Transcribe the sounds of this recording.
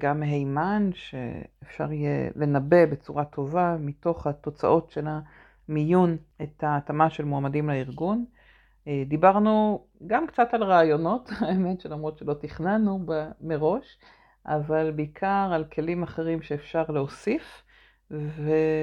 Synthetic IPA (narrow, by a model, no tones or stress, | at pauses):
ɡamːeɦejmanʃḛefʃa̰ʁjḛle̞nabe̞be̞t͡suʁatʰo̞vamito̞χhat̪o̞t͡sa̰ʔo̞tʃela | mijunethaːtamaʃelmoamadimlaiʁɡun | d̪ibaʁnu | ɡamkt͡satalʁaːjo̞no̞thaemetʃelamʁo̞tʃelo̞tiχnanubameʁo̞ʃ | ʔa̰valbeikʰaʁalkʰe̞limaχe̞ʁimʃe̞ːfʃaʁleosif | ve